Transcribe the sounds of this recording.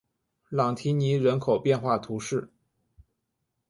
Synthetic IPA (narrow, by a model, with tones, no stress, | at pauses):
lɑ˨˩ŋt̪ʰi˧˥ni˧˥ɻə˧˥nkʰo˨˩ʊpjɛ˥˧nxwa˥˩t̪ʰu˧˥ʂɻ̩˥˩